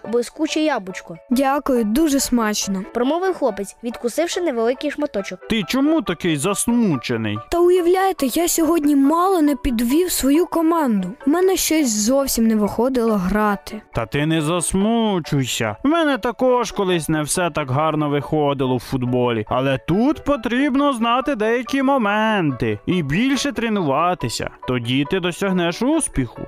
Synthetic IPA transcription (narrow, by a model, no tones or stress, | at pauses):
bɪskut͡ʃɪjɑbʊt͡ʃkɔdʲakʊjʊd̪uʒɛsmɑt͡ʃnɔpɾɔmɔʋɪwxlˠɔpet͡sʲʋʲid̪kʊsɪwʃɪnɛʋelˠɪkɪjʃmɐt̪ɔt͡ʃɔkt̪ɪt͡ʃɔmut̪ɐkɪjzɐsmut͡ʃenɪ̰jt̪ɐʊjɐwlʲajet̪ɛjasʲɔɦɔdʲnʲimɑlˠɔnɛpʲid̪ʋʲiwsʋɔjukɔmɑnd̪ʊmɛnɛʃt͡ʃɔsʲzɔwsʲimnɛʋɪxɔd̪ɪlˠɔɦɾɑt̪ɪt̪ɐt̪ɪnɛzɐsmut͡ʃʊjsʲɐ̰mɛnɛt̪ɐkɔʃkɔlˠɪsʲnɛwsɛt̪ɑkɦɑrnɔʋɪxɔd̪ɪlˠɔwfʊd̪bɔlʲiɐ̰lˠɛt̪ut̪pɔt̪ɾʲibnɔznɑt̪ɪd̪ɛjɐkʲimɔmɛnt̪ɪibʲilʲʃɛt̪ɾɪnʊʋɑt̪ɪsʲɐ̰t̪ɔdʲit̪ɪd̪ɔsʲɐɦnɛʃuspʲixʊ̰